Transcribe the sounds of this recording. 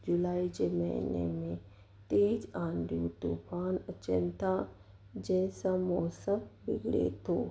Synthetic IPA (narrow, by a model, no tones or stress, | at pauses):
d͡ʒʊlaːid͡ʒemə̰ḭnḛmẽ | t̪eːd͡ʒãːnd̪jut̪uːpʰaːnət͡ʃənt̪ʰa | d͡ʒɛːsamɔːsəmbɪɡɽḛt̪oː